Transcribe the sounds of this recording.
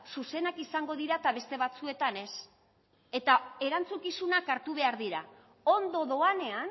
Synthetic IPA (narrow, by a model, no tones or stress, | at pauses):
suse̞nakisaŋɡo̞ðiɾat̪aβ̞e̞st̪e̞βat͡sue̞t̪ane̞s | e̞t̪ae̞ɾant͡sukisunakaɾt̪uβ̞e̞aɾðiɾa | o̞nd̪o̞ðo̞ane̞an